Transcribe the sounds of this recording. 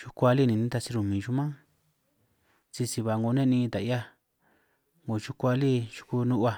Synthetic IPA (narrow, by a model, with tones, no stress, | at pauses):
t͡ʃu˧kʷa˧li˦˨nĩ˨nĩ˦t̪a˧t͡ʃi˧ɾu˧˨mĩ˨ʒu˧mã˦ | t͡ʃi˧si˧βa˨ŋɡo˧˨nẽ˦nĩː˧t̪a˨ja˦˧ | ŋɡo˨t͡ʃu˧kʷa˧li˦t͡ʃu̥˧ku˧nũ˦ʔa˧